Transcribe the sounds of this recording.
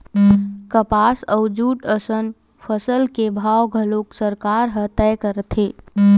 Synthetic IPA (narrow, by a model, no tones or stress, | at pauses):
kəpasəwd͡ʒuʈəsən | pʰəsəlkebʱawɡʱəloksəɾkaɾɦət̪ɛjkəɾət̪ʰe